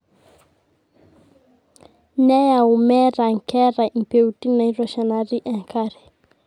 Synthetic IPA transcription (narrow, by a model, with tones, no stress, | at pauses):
nɛ˦ja˨u˨mɛ˦ɾa˨ŋ̩˨kɛ˦ɾa˨i˨peuti˦na˨ĩ˦ɾɔ˨ʃa˨naɾi˦ʔɛ̃˨ŋkaɾɛ˨